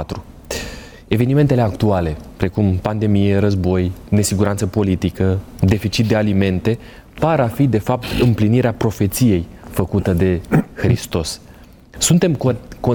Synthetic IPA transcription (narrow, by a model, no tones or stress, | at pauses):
t̪ɾu | e̞ve̞nime̞nt̪e̞le̞akt̪uale̞pɾe̞kumpand̪e̞mijeɾəzbo̞jne̞siɡuɾant̪səpo̞lit̪ikəd̪e̞fit͡ʃit̪̚d̪e̞alime̞nt̪e̞ | paɾafid̪e̞fap̚t̪ɨmpliniɾeapɾo̞fe̞t̪sije̞jfəkut̪əd̪e̞xɾist̪o̞sː | unt̪e̞mko